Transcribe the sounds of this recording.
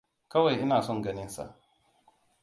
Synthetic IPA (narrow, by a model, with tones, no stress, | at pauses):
kɐ˦wa˨jʔɪ˦naː˨sɔ˦ŋɡɐ˦nɪ˦nsa̰˨ʔ